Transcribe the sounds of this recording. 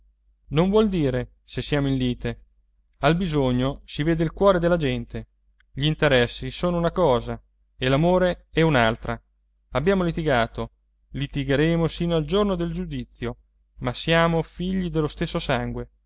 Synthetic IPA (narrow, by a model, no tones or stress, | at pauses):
noɱvwɔld̪iːɾe | sesːjaːmoinliːt̪e | albizoɲːosiveːd̪eilkwɔːɾed̪elːad͡ʒɛnt̪e | ʎiint̪eɾɛsːisoːnounakɔːza | elamoːɾeɛunalt̪ɾa | abːjaːmolit̪iɡaːt̪o | lit̪iɡeɾeːmosiːnoald͡ʒornod̪eld͡ʒud̪it̪sːjo | masjaːmofiʎːid̪elːost̪esːosaŋɡwe